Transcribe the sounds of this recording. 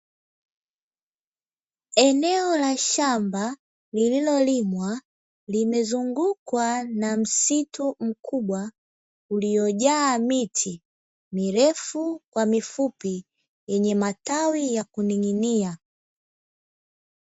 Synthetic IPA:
ɛnɛɔlaʃamba | lililɔlimwa | limɛzuŋɡukwanam̩situm̩kubwa | ulijɔɟaːmitʰi | miɾɛfukwamifupi | jɛɲɛmatawijakuniŋinia

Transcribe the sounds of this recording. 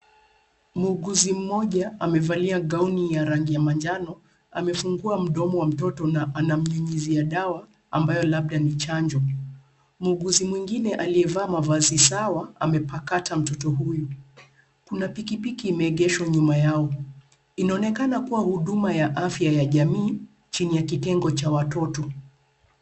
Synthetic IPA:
muːɡuzim̩mɔʄaamɛvaliaɡaunijaɾaŋɡijamaɲd͡ʒanɔ | a̰mɛfuŋɡuam̩ɗɔmɔwam̩tɔtɔnaʔanam̩ɲuɲiziaɗawa | ambajɔlaɓ̚ɗanit͡ʃaɲd͡ʒɔ | muːɡuzimwiŋɡinɛʔaliɛvaːmavazisawaa̰mɛpakatam̩tɔtɔɦuju | kunapikipikiːmɛːɠɛʃwaɲumajaɔ | inaɔnɛkanakuwahuɗumajaʔafjajaʄamiː | t͡ʃinijakitɛŋɡɔt͡ʃawatɔtɔ

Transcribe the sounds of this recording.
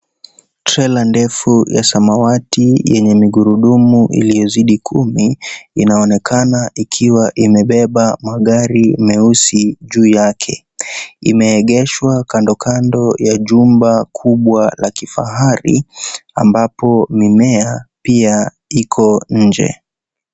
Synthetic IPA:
tɾɛlandɛfuja̰samawatijɛɲɛmiɠuɾuɗumuʔḭlijɔziɗikʰumiinaɔnɛkʰanaʔikʰiwaʔimɛɓɛɓamaɠaɾimɛusiʄuːjakʰɛ | ḭmɛːɠɛʃwakandɔkʰandɔjaʄumbakʰuɓwalakifa̰ɦaɾḭa̰mbapɔmimɛapia | ikʰɔɲ̩d͡ʒɛ̰

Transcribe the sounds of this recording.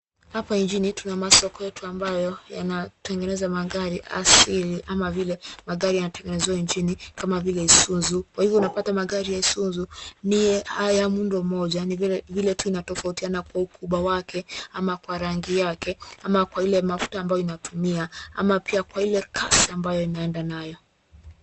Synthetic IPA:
hapaiɲd͡ʒinitunamasɔkɔjɛtuambajɔjanatʰɛŋɡɛnɛzamaɠaɾiʔa̰siliʔamavilɛmaɠaɾijanatɛŋɡɛnɛzɛaiɲd͡ʒinikamavilɛisunzukwahivjɔunapatamaɠaɾijaisunzunijɛhajamundɔm̩mɔʄanivilɛtuinatɔfautianakwaukuɓwawakʰɛamakwaɾaŋɡijakɛamakwailɛmafu̥taːmbajɔinatʰumiaa̰mapiakwailɛkʰasiambajɔinaɛndanajɔ

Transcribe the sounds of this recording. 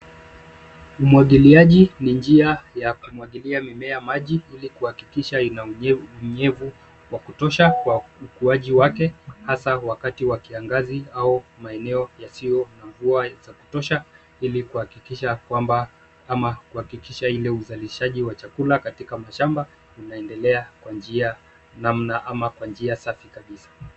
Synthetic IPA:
umwaɠiliaʄinind͡ʒiajakumuwaɠiliamimɛamaʄiilikuhakikiʃainauɲɛvu | wakutɔʃakwaukuaʄiwakɛhasawakatiwakiaŋɡaziaumaɛnɛɔjasijɔnaɱvuazaku̥tɔʃa | ilikuhakikiʃakwamba | amakuhakikiʃailɛuzaliʃaʄiwat͡ʃakulakatikamaʃamba | unaɛndɛlɛakwand͡ʒia | nam̩naʔamakwand͡ʒiasafikaɓisḁ

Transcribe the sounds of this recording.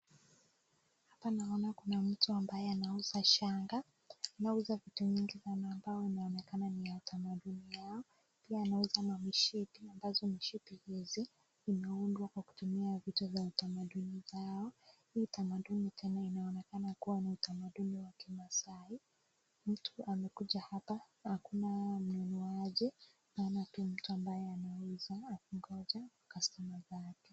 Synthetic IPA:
hapanaɔnakunam̩tuambajɛanauzaʃaŋɡa | nauzavituviŋɡisanaːmbaɔinaɔnɛkananijautʰamaɗunijaɔ | piaːnaɛzanamiʃipiambazɔmiʃipihiziː | mɛundwakwaku̥tumiavitavjautamaɗunivaɔhiːtamaɗunitʰɛnainaɔnɛkanakuwaniutamaɗuniwakimasai | m̩tʰuamɛkuʄahapa | hakunam̩nunɔaʄɛ | maːnatiam̩tuambajɛanawɛzaːkuŋɡɔʄawakasamazakɛ̥

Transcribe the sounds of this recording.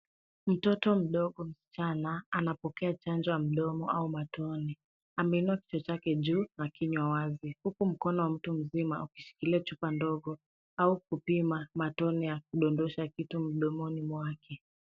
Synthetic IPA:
m̩tɔtɔm̩ɗɔɠɔm̩si̥t͡ʃanaanapɔkɛat͡ʃand͡ʒɔjam̩ɗɔmɔaumatʰɔni | amɛinuaki̥t͡ʃɔt͡ʃakɛʄuːnakiɲwawazihukum̩kɔnɔwam̩tum̩zimauki̥ʃi̥kiliat͡ʃupandɔɠɔ | aukupimamatɔnijak̚uɗɔndɔʃakitum̩ɗɔmɔnimwakʰɛ

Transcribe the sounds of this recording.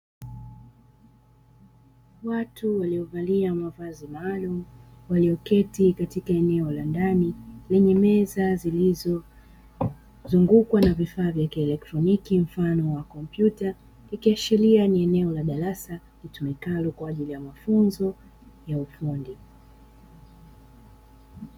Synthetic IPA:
watʰuwaliɔvaliamavazimaːlumu | waliɔkɛtikatikaɛnɛɔlandanilɛɲɛmɛzazilizɔ | zuŋɡukwanavifaːvjakiɛlɛk̚tɾɔnikim̩fanɔwakɔmpjuta | ikiaʃilianiɛnɛɔlaɗaɾasa | litumikalukwaːʄilijamafunzɔ | jaufundi

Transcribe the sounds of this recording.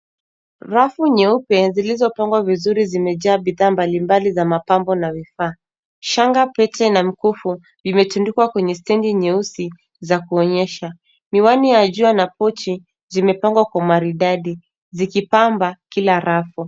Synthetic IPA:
ɾafuɲɛupɛzilizɔpaŋɡwavizuɾizimɛʄaːɓiðaːmbalimbalizamapambɔnavifaː | ʃaŋɡapɛtɛnamikufu | imɛtundukwakwɛɲɛstɛndiɲɛusi | zakuɔɲɛʃa | niwanijaʄuanapɔt͡ʃi | zimɛpaŋɡwakwamaɾiɗaɗi | zikipambakilaɾafu

